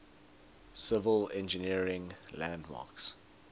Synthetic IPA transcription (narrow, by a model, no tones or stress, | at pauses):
sɪvəlɛ̃nd͡ʒəniəɹɪ̃ŋlæ̃ndmɑ̰ːks